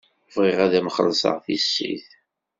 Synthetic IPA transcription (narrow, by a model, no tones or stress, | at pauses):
vʁɪʁæðæməχəlsə̰ʁθisːḭθ